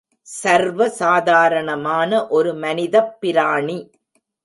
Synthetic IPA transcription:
sɐɾʋɐsaːðaːɾɐɳɐmaːnɐʔɔɾɯmɐnɪðɐpːɪɾaːɳi

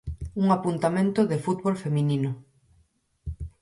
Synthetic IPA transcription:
uŋapunt̪amẽnt̪ʊðefut̪βolfemĩnĩnʊ

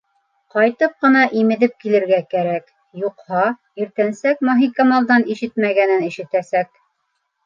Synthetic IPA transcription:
qɑjt̪ɤp̚qɤ̆nɑʔimɘ̆ðɘp̚kilɘ̆ɾɡækæɾæk | juqhɑ | iɾt̪ænsækmɑɦikɑmɑlˠd̪ɑniʃɘt̪mæɡænɘnɘ̆ʃɘ̆t̪æsæk̚

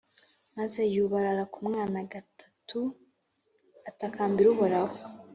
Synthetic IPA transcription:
maze̞juβaɾaɾakumŋaːnaɡatʰḁtʰu | atakaːmbiɾuβuɾaβo

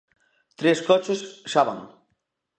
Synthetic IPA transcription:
t̪ɾeskɔt͡ʃesʃaβa̰ŋ

